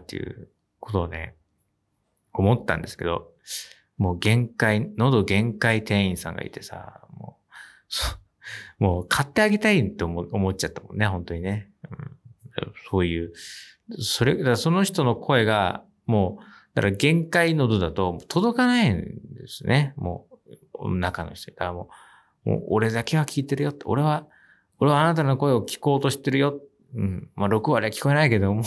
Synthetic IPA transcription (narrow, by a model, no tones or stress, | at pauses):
t̪ːḛjɯ̟̰ | ko̞t̪o̞ːne̞̰ | omo̞t̪ːã̰nd̪e̞sɨ̥ke̞d̪o̞̰ | mo̞ːɡẽ̞ŋkaino̞d̪o̞ɡẽ̞ŋkait̪ẽ̞ɰ̃ĩɰ̃sã̰ŋɡa̰ḭt̪e̞sa̰moː | so | moːkʰat̪ːe̞aɡe̞t̪ait̪ːeomo̞t͡ɕat̪ːamõ̞nːe̞hɦõ̞nt̪o̞ɲ̟ine̞ | ɯ̟̃ɴd̪a̰so̞ːjɯ̟ː | so̞ɾed̪aɡso̞no̞çi̥t̪o̞no̞kʰo̞e̞ɡa̰ | moːd̪̥akaɡẽ̞ŋkaino̞d̪o̞d̪at̪o̞moːt̪ʰod̪o̞kanaind̪e̞sɨnʔemo̰ː | o̰nːakano̞̰çi̥t̪o̰id̪aamo̞̰ː | mo̰ːo̰ɾe̞d̪ake̞β̞akʲʰiːt̪e̞ɾɯjo̞t̪ːeo̞̰ɾe̞βa | o̞ɾe̞βaːnat̪̬ano̞ko̞e̞o̞kʲi̥ko̞ːt̪o̞ɕi̥t̪e̞ɾɯ̟jo̞t̪ | ɯ̟̃ɴmaɾo̞kɯ̟βaɾiakʲi̥ko̞e̞naike̞d̪o̞mo